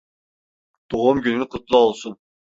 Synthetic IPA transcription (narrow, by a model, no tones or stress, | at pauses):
d̪̥oʁʊmkʲynɪnɪqʰʊt̪lˠɑɑlˠsun